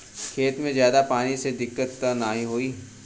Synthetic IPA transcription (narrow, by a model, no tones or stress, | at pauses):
kʰeːt̪mẽzjaːd̪apaːnised̪ɪkːət̪naɦĩɦoːiː